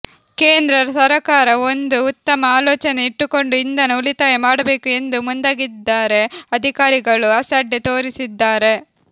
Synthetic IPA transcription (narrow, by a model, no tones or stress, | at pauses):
ke̞ːnd̪ɾɐɾɐsɐɾɐkaːɾɐo̞nd̪uːt̪ːɐmɐaːloːt͡ʃɐneiʈːuko̞ɳɖuind̪ɐnuulit̪aːjɐmaːɽɐbe̞ːkue̞nd̪umund̪aːɡid̪ːaːɾe̞ɐd̪ʱikaːɾiɡɐɭuɐsɐɖːet̪o̞ːɾisid̪ːaːɾe̞